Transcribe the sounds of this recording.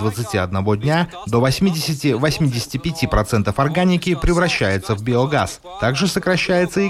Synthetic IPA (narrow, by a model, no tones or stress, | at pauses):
d̪vət̪sɨtʲiɐd̪nɐvo̞dʲnʲa | d̪o̞vɐsʲmʲidʲɪsʲɪtʲɪvɐsʲmʲidʲɪsʲɪ̥tʲɪpʲɪtʲipɾɐt̪sɛnt̪əfɐrɡanʲɪkʲɪpɾʲɪvɾɐɕːæjʊt̪səvbʲɪoɡas | t̪aɡʐɨsəkɾɐɕːæjɪt̪səɪ